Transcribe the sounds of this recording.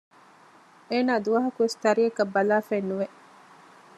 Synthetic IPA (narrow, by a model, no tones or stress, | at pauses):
eːnaːd̪uʋɐɦɐkuʋest̪ɐɾijɐkɐbːɐlaːfenːuʋe